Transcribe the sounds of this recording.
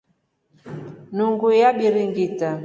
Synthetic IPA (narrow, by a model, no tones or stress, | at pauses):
nuŋɡujaɓiɾiŋɡita